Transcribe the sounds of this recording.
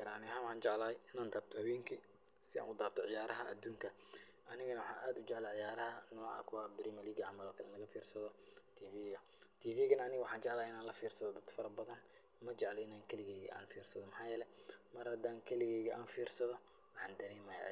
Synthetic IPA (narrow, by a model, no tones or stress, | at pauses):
kɐɾanɪhaːnwħɑːnt͡ʃɛʕlaːjɪnaːnd̪aːb̚t̪ʰɔhɐwɛːŋkʰi | sɪa̰ːnʔʊd̪aːb̚t̪ʰɔʕɪjaːɾɐɦɐʔɐ̰d̪uːŋkʰɐ | ʔɐnɪɣɐnɐwħɑːnʔaːd̪ʊd͡ʒɛʕlɐʕɪjaːɾɐɦɐnɔːʕɑ̰kʰʊwabɪɾʔiːmɐliːɡɐʕamaːlkʰɐlɪnlɐɣɐfiːrsɐðɔt̪ʰiːfiːɣɐ | t̪ʰiːfiːɣɐnɐɐnɪɣɐwʊħɑːnt͡ʃɛʕlaːjɪnaːnlɐfiːrsɐðɔd̪ɐd̪fɐɾɐbɐðɐn | mɐt͡ʃɛʕlɔɪnaːŋkʰɐlɪɣɛːɣḭʔa̰ːnfiːrsɐðɔmħɑːjɛːlɛmɐrhɐd̪aːŋkʰɐlɪɣɛːɣiʔa̰ːnfiːrsɐðɔ | wħɑːnd̪ɐɾɛːmɐja̰